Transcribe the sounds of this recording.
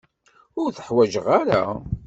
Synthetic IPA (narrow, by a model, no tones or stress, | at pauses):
ʊɾθə̥ħwæʒəʁaɾa